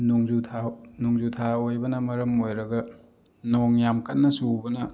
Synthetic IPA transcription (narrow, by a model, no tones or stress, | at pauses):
noŋzutʰanoŋzutʰaojbɐnɐmɐɾɐmojɾɐɡɐ | noŋjamkɐnːɐsubɐnɐ